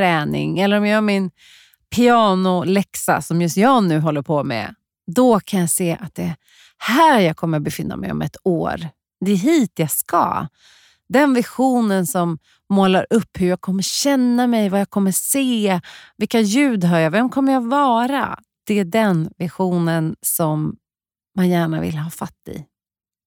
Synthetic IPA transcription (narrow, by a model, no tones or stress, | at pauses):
ɾɛːnɪ̰ŋɛlːəɾɔmjajœɾmɪn | pʰɪɑːnʊlɛksa̰sɔmjɵst̪jɑːɡnʉ̟ːɦɔlːəɾpʰɔmɛ̰ | d̪ɔkʰanjaseːʔa̰t̪̚d̪ɛ | hæːɾjɑːɡkʰɔmːəɾbɛfɪnːa̰mʔɛ̰jɔ̰mɛ̰t̪o̰ːɾ | d̪ɛɦiːt̪jɑɡskɑ̰ | d̪ɛnvɪɧuːnənsɔmː | oːlaɾʔɵpːhɵɾjaːɡ̚kʰɔmːəɕɛnːamɛjvajakʰɔmːəseːvɪlkːajʉ̟ːd̪ɦɑɾjavɛmkʰɔmːəɾjaɡvɑːɾa̰ | d̪̥ɛæɖɛnvɪɧuːnənsɔmː | anjæːɳavɪ̰lɦɑːfat̪ːɪ̰